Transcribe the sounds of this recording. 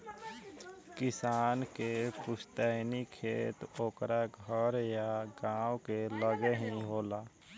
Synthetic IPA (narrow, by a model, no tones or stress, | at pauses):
kɪsaːnkepʊst̪əɦnikʰeːt̪oːkɾaɡʱəɾjaɡãːwkeləɡeɦiɦoːlaː